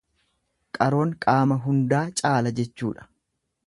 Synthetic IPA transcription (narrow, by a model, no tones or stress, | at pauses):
kʼɐɾo̞ːŋkʼaːmɐɦʊnd̪aːt͡ʃʼaːlɐd͡ʒɛt͡ʃːuːᶑɐ̥